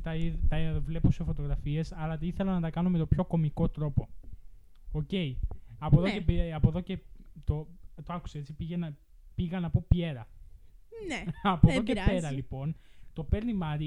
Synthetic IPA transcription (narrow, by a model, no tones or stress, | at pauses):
t̪ɐit̪ɐovle̞pusefo̞t̪o̞ɣɾɐfie̞sɐlɐt̪iθe̞lɐnɐt̪ɐkɐno̞met̪o̞pço̞ko̞miko̞t̪ɾo̞po̞ | oce̞iɐpoðocepɐpo̞ðo̞cet̪ot̪oɐku̥seet͡sipiʝenɐ | piɣɐnɐpo̞pe̞ɾɐ | nɐpoðocepe̞ɾɐlipo̞nt̪o̞pe̞ɾnimɐɾi